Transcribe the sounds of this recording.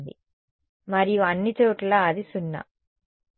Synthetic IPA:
d̪ḭ | mɐɾijuɐnːit͡ʃoːʈlaːðisunːɐ̰

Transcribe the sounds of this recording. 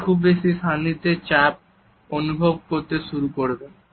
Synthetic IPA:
kʰubːeʃist̪ʰanid̪eɾt͡ɕap̚ | onubʱob̚koɾt̪eʃuɾukoɾebe

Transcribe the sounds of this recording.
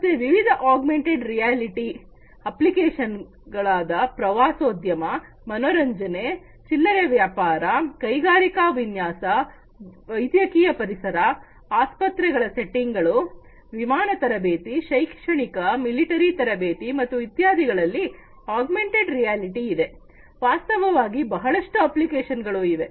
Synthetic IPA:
mɐt̪ːeʋiʋid̪ʱɐʔaːɡmeɳʈeɖɾijaːliʈi | ɐplikeːʂɐn | ɡɐɭaːd̪ɐpɾɐʋaːsoːd̪jɐmɐ | mɐnoːɾɐɲd͡ʒɐne | t͡ʃilːɐɾeʋjaːpaːɾɐkɐjɡaːɾikaːʋinjaːsɐ | ʋɐjd̪jɐkiːjɐpɐɾisɐɾɐ | aːspɐt̪ɾɛɡɐɭɐse̞ʈːiŋɡɐɭu | ʋimaːnɐt̪ɐɾɐbeːt̪iʃɐjkʂɐɳikɐmiliʈɐɾit̪ɐɾɐbeːt̪imɐt̪ːuit̪jaːd̪iɡɐɭɐlːi | aːɡmeɳʈeɖɾijaːliʈiːd̪e̞ | ʋaːst̪ɐʋɐʋaːɡibɐɦɐɭɐʂʈuɐplikeːʃɐnɡɐɭuːid̪e̞

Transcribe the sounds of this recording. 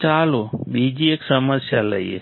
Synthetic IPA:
t͡ʃaːlobid͡ʒieːksəməsjalə̰iḛ

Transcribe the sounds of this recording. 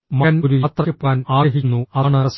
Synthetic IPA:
mɐɐnoɾuɐt̪rɐpːaːnaːɐɦinːuɐɳɐs

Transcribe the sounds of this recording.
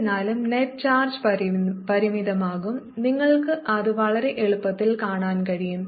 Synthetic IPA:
naːlumneʈ̚t͡ɕaːrd͡ʑppɐɾimiðɐmaːɣum | niŋːɐɭkɨʔɐðɨʋɐɭɐɾe̞ʔeɻupːɐt̪ːilkaːɳaːnkɐɻijum

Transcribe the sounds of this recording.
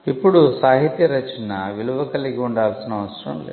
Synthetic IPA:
ipːuɽusaːɦit̪jɐɾɐt͡ʃːinɐʋiluʋɐkɐlːikiuɳɖaːlsinɐʋɐsɐɾɐ̰mlḛ

